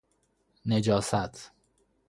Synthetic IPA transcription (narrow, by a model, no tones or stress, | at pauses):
ned͡ʒɒːsæt̪ʰ